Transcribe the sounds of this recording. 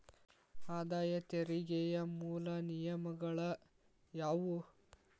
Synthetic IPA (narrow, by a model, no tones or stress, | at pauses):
aːd̪aːjɐt̪eɾiɡɛjɐmuːlɐnijɐmɐɡɐɭɐ | jaːʋu